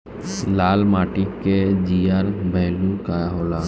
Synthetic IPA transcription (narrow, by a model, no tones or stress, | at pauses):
laːlmaːʈiked͡ʒijaːɾbʱəɦlukaːjaɦoːlaː